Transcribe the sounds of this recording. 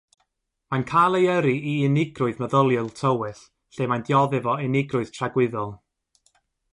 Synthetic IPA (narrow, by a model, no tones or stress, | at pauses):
mankʰajlˠejəɾiʔiɪnɪɡrʊɨðməðəlˠjʊlˠtʰəwɨθ | ɬeːmandjɔðɨvɔɪnɪɡrʊɨð̥tʰraɡwɪðɔlˠ